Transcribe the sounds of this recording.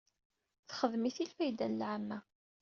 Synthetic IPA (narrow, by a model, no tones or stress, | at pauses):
θχəðmiθilfæjd̪ænlʕamːæ